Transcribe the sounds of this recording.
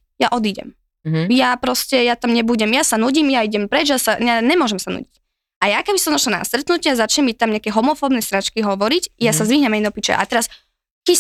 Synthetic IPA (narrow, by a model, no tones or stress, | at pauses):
jaʔɔd̪iɟɛ̰m | japɾɔscɛjat̪amɲɛbuɟɛmjasanuɟimjaiɟɛmpɾɛd͡ʒjasaɲaɲɛmʊɔʒɛmsanṵːɟic | ʔajakɛbisɔmzɔʃlana̰st̪ɾɛt̪nucɪazat͡ʃɲɛmic̚t̪amɲakɛɦɔmɔfɔːbnɛsɾat͡ʃkiɦɔʋɔɾicjasazʋiɦɲɛmajnɔpit͡ʃɛ̰ʔa̰t̪ɛɾas | ki